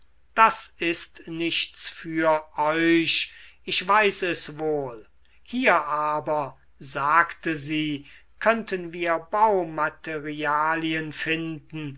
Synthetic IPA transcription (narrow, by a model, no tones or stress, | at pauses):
d̥asɪstnɪʃtsfyːɐʔɔʏɕɪʃv̥aɪsɛsvoːl | hiːɐʔaːbɐ | zaːktəziː | kʰœntʰənviːɐbaʊmatʰeʁiaːliənfɪndn̩